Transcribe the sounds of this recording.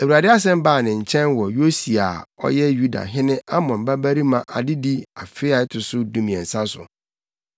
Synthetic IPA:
æ˨wu˨ɾa˨dɪ˦a˦s̬ɛ̃˦m˦baː˦˨nɪ̃˨ɲ̩˨t͡ɕʰɛ̃˦nwɔ˨jo˦si˨a˨ɔ̰˦jɛ˦ju˦da̰˨ɦɪ̃˦nɪ̃˦a˦mɔ̃˨m̩˨ba˦bæ˦ɾi˦mã˨ʔa̰˨dɪ˦di˦a˨fɪ˦a˨ɪ˦tʰʊ˨sʊ˦dũ˦mĩ˨ɛ̃˨n̩˨sa˦sʊ̰˨

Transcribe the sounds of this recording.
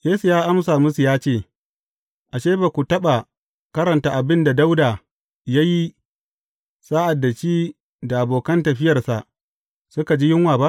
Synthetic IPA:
jeː˦su˨jaː˦ʔa˦msaː˨mʊ˦su˨jaː˦t͡ʃeː˦˨ | ʔa˨ʃeː˦ba˨kʷu˨tɐ˦ɓa˨ | kɐ˦ɾɐ˨ntaː˦ʔa˨bɪ˦nda˨da˦wdaː˨ | ja˦ji˦ | saː˦ʔa˨dːa˨t͡ʃiː˦ | da˨ʔa˨boː˨kɐ˦ntɐ˨ɸɪ˦jɐ˨rsa˨ʔ | sʊ˦ka˨d͡ʒiː˦jɪ˦ŋwaː˨ba˦ʔ

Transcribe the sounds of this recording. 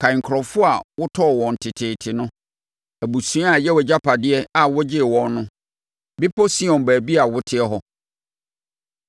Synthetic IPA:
kʰã˨ŋ̩˨kʰɾɔ˨fʊ˦a˨wʊ˦tʰɔ˦˨wɔ̃˨n̩˨tʰɪ˨tʰɪː˨tʰɪ˨nʊ̃˦ | æ˨bu˨sũ˨˦a˨jɛ˦wɛ˨d͡ʑa˦pʰa˨dɪ˦ɛ˦a˨wʊ˦d͡ʑɪ˦˨wɔ̃˨nː˦ʊ̃˦ | bɪ˦pʰɔ˦si˦ɔ̃˨n˨bæː˨bi˦a˨wʊ˦tʰɪ˦ɛ˦ɦɔ˦

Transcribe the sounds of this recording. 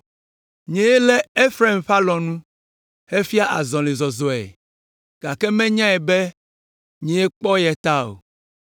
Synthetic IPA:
ɲɛ̃˨je˦lɛ˦e˦fɾe˦˨mɸa˦lɔ̃˨nũ˦ | he˦fi˦a˦ʔa˨zɔ̃˨le˨zɔ˨zɔ˨ɛ̰˨ | ɡ̥a˨kɛ˦mɛ̃˦ɲã˦ɛ˨be˦ | ɲɛ̃˨je˦k͡pɔ˦jɛ˨t̪a˦o̰˨

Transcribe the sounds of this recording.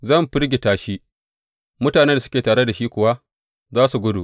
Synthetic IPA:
zɐ˦˨mɸɪ˦ɾɡʲe˨taː˦ʃi˦ | mʊ˦taː˨ne˦da˨sʊ˦kʲeː˨taː˨ɽe˦da˨ʃiː˦kʷʊ˨wa˦ | zaː˦su˨ɡʷʊ˦dṵ˨ʔ

